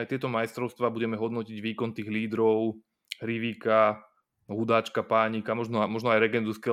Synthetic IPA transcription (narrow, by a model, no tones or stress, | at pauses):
ajt̪ɪɛt̪ɔmajst̪ɾɔʊst̪ʋaːbuɟɛmɛɦɔd̪nɔciɟʋiːkɔnt̪iːɣliːd̪ɾɔʊ | ɾiʋika | ɦud̪aːt͡ʃkapaːɲikamɔʒnɔmɔʒnɔajɾɛɡɛnd̪uskɛ